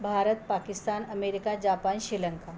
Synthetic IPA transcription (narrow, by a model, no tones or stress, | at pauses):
bʱaɾət̪̚pakist̪anəmeɾikad͡ʑapanɕiləŋka